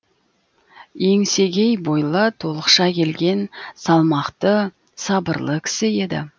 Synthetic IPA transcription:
je̞ŋse̞ɡʲe̞jbo̞jlˠət̪ʰo̞lˠəqʃɑkʲʰe̞lɡʲe̞nsɑlˠmɑqt̪ə | sɑbəɾlˠəkʲʰɪ̥sɪe̞d̪ɪ̰

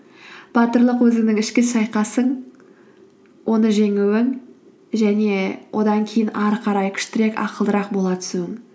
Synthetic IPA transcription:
b̥ɑt̪əɾlˠəqwɵzɪŋnɪŋɪʃkʲɪsɑjqɑsəɴ | wʔo̞nəʒe̞ŋuwɪŋ | ʒæne̞wʔo̞d̪ɑŋkʲʰejɪnʔɑɾqʰɑɾɑjkʲʰʏ̥ʃt̪ɪɾe̞kɑ̰qəlˠd̪əɾɑq̚bo̞lˠɑt̪ʰʏ̥suɪŋ

